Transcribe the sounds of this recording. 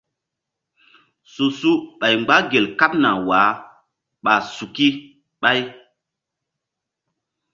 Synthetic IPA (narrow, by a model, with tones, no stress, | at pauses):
su˨su˦ɓa˨jŋ͡mɡ͡ba˦ɡe˨lka˦p̚na˨waː˨˦ | ɓa˨su˨ki˦ | ɓa˦j